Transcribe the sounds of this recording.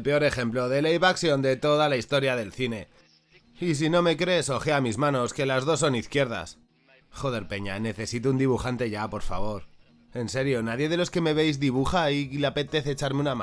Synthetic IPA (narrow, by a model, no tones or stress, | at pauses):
lpe̞o̞ɾe̞xe̞mplo̞ðe̞lejβaksjo̞nd̪e̞t̪o̞ðalaist̪o̞ɾjaðe̞lθine̞ | is̬ino̞me̞kɾe̞so̞xeamizmãno̞ske̞lazð̞o̞s̬ːo̞niθkje̞ɾða̰s | xoðe̞ɾpe̞ɲane̞θe̞sit̪̬ound̪iβuxant̪e̞ʝapo̞ɾfa̰β̞o̞ɾ | e̞nse̞ɾjo̞naðje̞ð̞e̞lo̞ske̞me̞βe̞jzðiβ̞uxailape̞t̪e̞θeːt͡ʃaɾmeunama